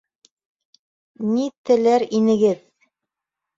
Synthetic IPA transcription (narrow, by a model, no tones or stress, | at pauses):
nit̪ɘ̆læɾinɘ̆ɡɘð